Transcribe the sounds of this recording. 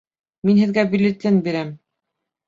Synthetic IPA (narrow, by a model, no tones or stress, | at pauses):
minhɘ̆ðɡæbilʲɘt̪lɘnbiɾæm